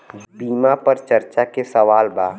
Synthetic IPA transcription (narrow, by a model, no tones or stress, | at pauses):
biːmapəɾt͡ʃɐɾt͡ʃakesɐʋaːlbaː